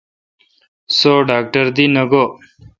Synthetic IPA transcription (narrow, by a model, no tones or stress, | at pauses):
soːɖaːk̚ʈəɾd̪inɐɡoː